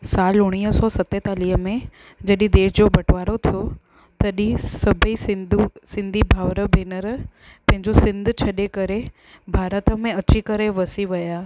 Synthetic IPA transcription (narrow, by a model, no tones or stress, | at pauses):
saːlʊɽ̃iːɦəsɔːsɐt̪et̪aːliːɦəmẽ | d͡ʑɐɗĩd̪eːʃd͡ʑobɐʈʰʋaːɾot̪ʰijo | t̪ɐɗĩsɐbʱisɪd̪usɪ̃nd̪ʱibʱaːʋɾəbʱeːnəɾ | pɐ̃ɦɪ̃ɲd͡ʑosɪ̃nd̪ʱt͡ɕʰɐɗekɐɾe | bʱaːɾət̪ə̆mẽɐt͡ɕikɐɾeʋɐsiʋɐjaː